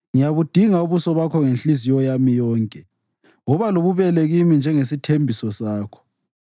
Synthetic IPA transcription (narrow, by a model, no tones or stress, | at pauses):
ŋijaβud̥ʱiŋauβusɔβakʰɔŋenɬisijɔjamijɔːŋkʼɛ | ɔβaloβuβɛlɛɣimind͡ʒʱɛŋesitʰembʱisɔsaːkʰɔ̥